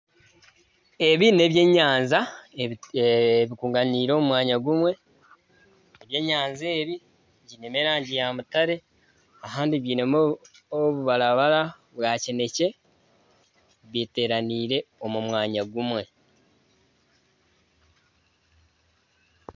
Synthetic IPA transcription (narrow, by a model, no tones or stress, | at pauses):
e̞βine̞βje̞ɲaːnza | βikuːŋɡaniːɾo̞ːmumwaːɲaɡumwe̞ | eβje̞ːɲaːnze̞ːβi | ɟine̞meːɾaːɲɟijamutaɾe̞ | aɦaːndiβjiːnemo | oβuβaɾaβaɾa | βwaːcene̞ce̞ | βjite̞ːɾaniːɾe̞o̞mumwaːɲaɡumwe̞